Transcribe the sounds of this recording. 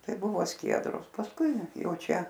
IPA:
ˈtɐɪ ˈbʊʋoː ˈsʲkʲiɛdroːs pɐsˈkʊɪ ˈjɛʊ ˈt͡ʃʲɛ

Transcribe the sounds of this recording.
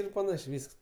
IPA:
ˈɪr pɐˈnɑːʃʲeː ˈʋʲiːsks

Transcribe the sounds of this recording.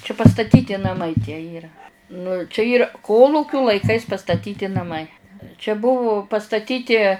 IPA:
t͡ʃʲɛ pɐstɐˈtʲiːtʲɪ nɐˈmɐɪ tʲiɛ ˈiːrɐ nʊ t͡ʃʲɛ ˈiːrɐ ˈkoːlˠuːkʲʊ lˠɐɪˈkɐɪs pɐstɐˈtʲiːtʲɪ nɐˈmɐɪ t͡ʃʲɛ ˈbʊʋʊ pɐstɐˈtʲiːtʲɪ

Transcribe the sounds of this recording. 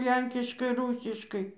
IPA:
ˈlʲɛŋʲkʲɪʃkɐɪ ˈruːsʲɪʃkɐɪ

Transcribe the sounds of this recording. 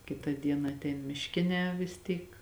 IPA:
ˈkʲɪtɐ ˈdʲiɛnɐ ɐtʲˈɛɪn mʲɪʃʲˈkʲɪnʲɛː ʋʲɪs ˈtʲiːk

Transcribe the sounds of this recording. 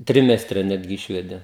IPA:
ˈtʲrʲɪmʲɛsʲtʲrʲɛ ˈnʲæːdʲɡʲɪ ˈɪʃʲʋʲɛdʲeː

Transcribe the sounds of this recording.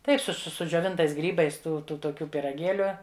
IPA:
ˈtɐɪp sʊ sʊ sʊd͡ʒʲoːˈʋʲɪntɐɪs ˈɡrʲiːbɐɪs ˈtuː ˈtʊ toːˈkʲuː pʲiːrɐˈɡʲeːlʲʊ

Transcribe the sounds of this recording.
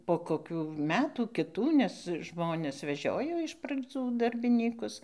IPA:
poː koːˈkʲuː ˈmʲæːtuː kʲɪˈtuː nʲɛs ˈʒmoːnʲɛs ʋʲɛˈʒʲoːjoː ɪʃ prɐd͡zuː dɐrʲbʲɪˈnʲiːkʊs

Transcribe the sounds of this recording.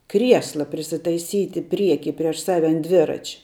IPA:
ˈkrʲiɛslˠɐ pʲrʲɪsʲɪtɐɪˈsʲiːtʲɪ ˈpʲrʲiɛkʲiː ˈpʲrʲiɛʃ ˈsɑːʋʲɛ ɐn ˈdʲʋʲɪrɐt͡ʃʲ

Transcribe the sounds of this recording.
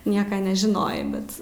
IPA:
ˈnʲiɛkɐ nʲɛʒʲɪˈnoːjɛɪ ˈbʲɛt

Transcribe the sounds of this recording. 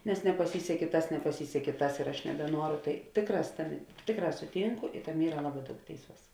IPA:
nʲɛs nʲɛpɐˈsʲiːsʲɛkʲeː ˈtɐs nʲɛpɐˈsʲiːsʲɛkʲeː ˈtɐs ɪr ˈɐʃ nʲɛbʲɛˈnuɔrʊ ˈtɐɪ ˈtʲeːkˌrɑːs ˈtɑːˌmʲeː ˈtʲeːkˌrɑː sʊˈtʲiːŋkʊ ɪ ˈtɑːˌmʲeː ˈiːrɐ ˈlˠɑːˌbɑː ˈdɐʊk ˈtʲeːɪˌsuɔs

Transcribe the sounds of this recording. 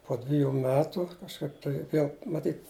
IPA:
poː ˈdʲʋʲɪjʊ ˈmʲæːtʊ kɐʃˈkɐɪp tɐɪ ˈʋʲiɛlˠ mɐˈtʲiːt

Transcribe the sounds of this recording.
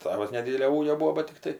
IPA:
ˈtɑːʋɐs nʲɛˈdʲiːdʲɛlʲoː ˈuːɡʲoː ˈbuːoː ˈbɐt tʲɪkˈtɐɪ

